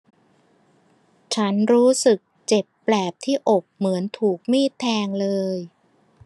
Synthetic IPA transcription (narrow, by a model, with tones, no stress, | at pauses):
t͡ɕʰa˦˥nɾuː˦˥sɯ˨˩k̚t͡ɕe˨˩pːlɛː˨˩p̚t̪ʰiː˥˩ʔo˨˩k̚mɯ˩˦ənt̪ʰuː˨˩k̚miː˥˩t̪ʰːɛː˧ŋlɤː˧j